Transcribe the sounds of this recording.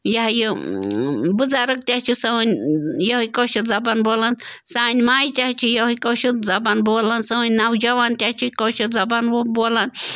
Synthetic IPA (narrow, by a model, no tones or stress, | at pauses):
jɐɦju | bɨzaɾɨk̚t̪ʲat͡ʃʰisɐnʲjoɦkoʃit̪zɐbanboːlansaːnʲmaːjt̪ʲaht͡ʃʰijoɦkoʃut̪zɐbanboːlansənʲnawd͡ʒɐʋant̪ʲaht͡ʃʰikoʃit̪zɐbanboːlan